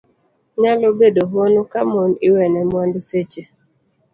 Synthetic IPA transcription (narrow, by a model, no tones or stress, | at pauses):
ɲalobedoɦonokamonɪwɛnɛmwandset͡ʃe